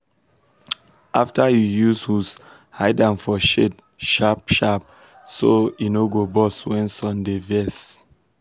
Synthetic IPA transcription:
ʔaftʰajujushus | haɪdãnfɔʃed | ʃapʃap̚ | soinoɡobɔswɛ̃nsɔ̃ndevɛs

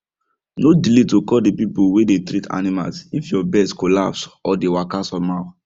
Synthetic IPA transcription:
nodilitokɔldepipuwedetɾitʰa̰nima̰lsifjɔbɛskolapsɔdewakasɔma

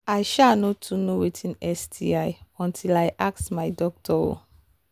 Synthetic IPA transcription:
ajʃanɔtʰːunowitʰĩnɛsdʰiajɔ̃ntʰilaɪʔaksmaɪdɔk̚tʰɔo̰

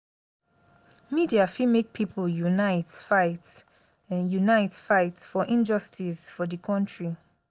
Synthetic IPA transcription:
midiafimek̚pʰipʰəljunaɪtfaɪt | junaɪtfaɪtfɔʔĩnd͡ʒɔstʰisfɔðəkʰɔ̃ntʰɹi

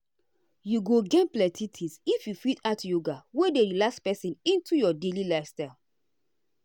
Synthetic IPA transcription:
juɡoɡɛ̃nplɛtʰitʰisifjufitatjoɡawedeɾilakspɛsĩnĩntujɔdelilaɪfstaɪl

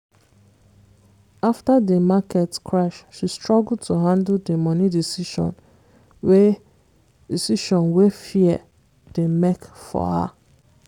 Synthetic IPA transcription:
aftademakɛtkʰɹaʃʃistɹɔɡltʰuɦãndldemɔnidisiʃɔ̰̃n | we | disiʃɔ̃nwefiɛ | d̥emekfɔ̰ha̰

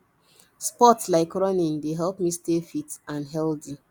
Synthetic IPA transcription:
spɔtlaɪkɹɔnĩndeɦɛlpmistefitãnɦɛldi

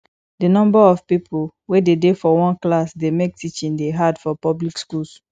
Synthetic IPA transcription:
dinɔ̃mbaɔvpipʰo | wededefɔwɔ̃nklasdemek̚tʰit͡ʃĩndeɦadfɔpɔblikskuls

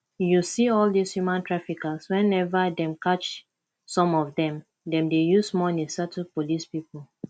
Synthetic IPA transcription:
jusiɔldishjumãntʰɹafikaswɛ̃nɛvadɛ̃mkat͡ʃ | sɔ̃mɔvdɛ̃m | dɛ̃mdejusmɔ̃nisatunpolispipl

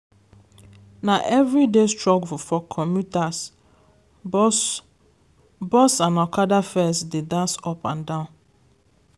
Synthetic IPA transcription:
naʔɛvɾidestɹɔkfɔfɔkʰɔmjutas | bɔsãnakadafɛsdedãnsɔpãndãʊ̃n

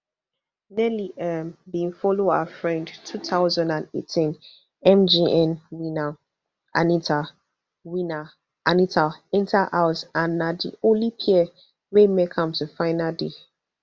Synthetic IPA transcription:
nɛliʔɛmbĩnfɔloafɹɛ̃ndtʰuθaʊzãndãnḛtʰĩn | ɛ̃md͡ʒiɛ̃nwina | ʔa̰nitʰa | wina | ʔanitaɪ̃ntʰaʔasanadḭolipʰiɛ | wemekʰʌ̃mtʰufãɪnade

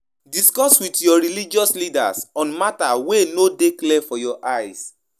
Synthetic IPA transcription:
diskɔswitjɔɹilid͡ʒɔslida̰sɔ̃nmatawenodeklɛfɔjɔʔajs

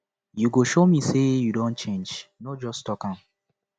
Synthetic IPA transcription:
juɡoʃomisejudõnt͡ʃẽnd͡ʒnɔd͡ʒɔstɔkãn

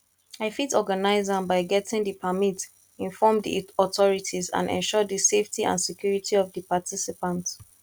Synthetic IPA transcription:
aɪfitɔɡanaɪzãnbaɪɡɛtɪ̃ŋdipʰəmit | ĩnfɔmdḭɔtɔɹitʰizã̰ndɛ̰̃nʃɔdiseftʰiʔã̰nsɛkʰj̥uɹitʰiɔvdəpatʰisipãnt

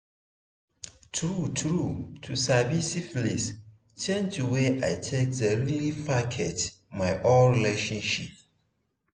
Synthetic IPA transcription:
tʰɹutʰɾutʰusabisiflis | t͡ʃẽntʰuweʔaɪtʰek̚dəɹilipakʰɛt | maɪʔonɹileʃɔ̃nʃip̚

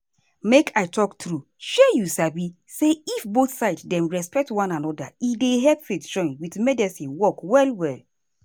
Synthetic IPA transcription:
mekʰaɪtʰɔktɹu | ʃɛjusabi | seifboθsaɪdsdɛ̃mɹɛspɛk̚twãnanɔda̰ideɦɛlpfetd͡ʒɔ̃ɪ̃nwitmɛdɛsĩnwɔkwɛlwɛl

